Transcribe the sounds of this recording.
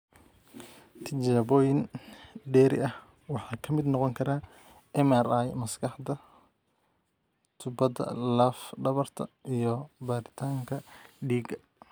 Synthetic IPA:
t̪ʰɪt͡ʃaːbɔjɪnɖɛːɾɪ̰ʔɐh | wɑħɑːkʰɐmɪd̪nɔqɔŋkʰɐɾaː | ɛmɛɾajmɐskʰɑħd̪ɐ | t̪ʰʊbɐd̪ɐ̰lɐfɖɐβɐrt̪ʰɐ̰ijɞbaːɾɪt̪ʰaːŋkʰɐɖiːɡɐ

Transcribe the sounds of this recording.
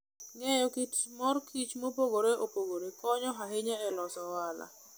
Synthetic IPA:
ŋɛjɔkitmɔrkʰit͡ʃmopoɡoɾeopoɡoɾekɔɲɔɦaɦeɲaɛlɔsɔwala̰

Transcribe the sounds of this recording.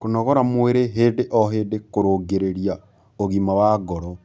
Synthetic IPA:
konɔɣɔɾamweɾeɦeːdeʔɔɦeːdekoɾoɡeɾeɾia | oɣimawaɡɔɾɔ

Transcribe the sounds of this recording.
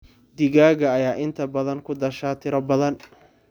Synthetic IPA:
d̪ɪɣaːɣɐːjaːʔɪnt̪ʰɐbɐðɐŋkʰʊd̪ɐʃaːt̪ʰɪɾɐbɐðɐn

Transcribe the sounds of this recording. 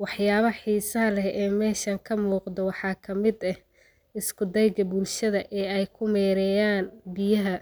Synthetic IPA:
wɑħjaːβɐħiːsɐɦɐlɛhʔɛːmɛːʃɐŋkʰɐmuːqd̪ɐwɑħɑːkʰɐmɪd̪ɐh | ɪskʰʊd̪ɛjɡɐbʊlʃɐðɐʔɛːɛjkʰʊmɛːɾɛjaːnbɪjɐɦɐ

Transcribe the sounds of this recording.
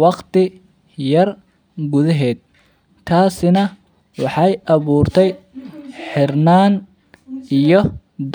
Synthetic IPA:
wɑqt̪ʰɪ | jɐr | ɡʊðɐɦɛːd̪̚ | t̪ʰaːsɪnɐ | wɑħɑjʔɑβuːrt̪ʰɛj | ħɪrnaːn | ijɔ | d̪

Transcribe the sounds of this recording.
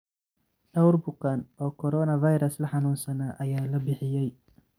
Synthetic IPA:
ɖɐwrbʊkanɔːkʰɔɾɔːnɐvɐjɾɐslɐħɑnuːnsɐnaːʔɐjaːlɐbɪħɪjɛj

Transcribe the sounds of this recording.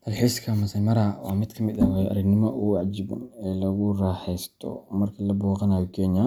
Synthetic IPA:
t̪ʰɐlħiːskʰɐmɐsɐmɐɾɐwɑ̰ːmɪd̪kʰɐmɪd̪awɛjʔɐ̰ɾɐɡnɪmɔʔʊwɑʕd͡ʒɪbɐ̰nɛːlɐɣʊraːħɛjst̪ʰɔ̰mɐrkʰɐlɐbuːqɐnaːjɔkʰɛːnjɐ

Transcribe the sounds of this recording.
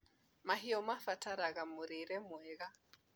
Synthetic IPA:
maɦiɔmafataɾaɣamoɾeɾɛmwɛɣa

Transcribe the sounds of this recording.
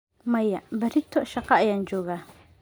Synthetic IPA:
mɐjɐbɐrɪt̪ʰɔʃɑqɑɐjaːnt͡ʃɔːɣaː

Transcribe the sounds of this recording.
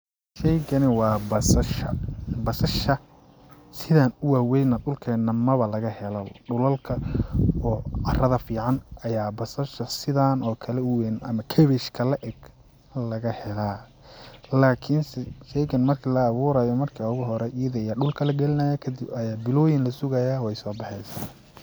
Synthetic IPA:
ʃɛjɡɐnɪwɑːbɐsɐʃɐ̰bɐsɐʃɐ | sɪðaːnʊwaːwɛjnɐd̪ʊlkʰɛːnɐmɐβɐlɐɣɐhɛlɔɖʊlɐlkʰɐɔːʕɑrɐðɐfiːʕɑnʔɐjaːbɐsɐʃɐsɪðaːnɔːkʰɐlɛʊwɛnɐ̰mɐkʰɛβɛʃkʰɐlɐʔɛɡ | lɐɣɐhɛlaː | laːkʰɪnsɛʃɛjkɐnmɐrkʰiːlɐːβuːɾajɔmɐrkʰiʊɣʊɦɔɾɛʔɪjɐðɐjaɖʊlkʰɐlɐɡɛlɪnɐjakʰɐd̪ɪbɐjaːbɪlɔːjɪnlɐsʊɣɐjaːwɛjsɔːbɑħɛjsaːn

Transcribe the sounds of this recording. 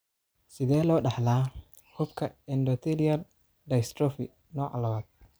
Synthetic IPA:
sɪðɛːlɔːɖɑħlaː | hʊbkʰɐɛndɔt̪ʰɛliɐl | ɖɐjst̪ɾɔfɪ | nɔːʕɑ̰lɐwaːd̪̚

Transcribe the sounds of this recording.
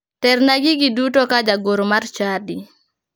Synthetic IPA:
tɛrnaɡiɡidutokad͡ʒaɡoɾomart͡ʃadi

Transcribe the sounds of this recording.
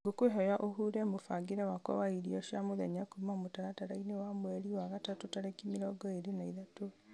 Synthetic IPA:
ɡokweɦɔjaʔoɦuːɾɛmofaɡiɾɛwakwɔ̰waiɾiɔʃjamoðɛɲakumamotaɾataɾainewamwɛɾiwaɣatatotaɾɛkimiɾɔɡɔeɾenaiðato

